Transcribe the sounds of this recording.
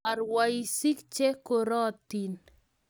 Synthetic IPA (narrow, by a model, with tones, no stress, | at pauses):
a˨ɾwai˦si˦k̚t͡ʃe˦ko˨ɾɔ˦t̪ːi˨n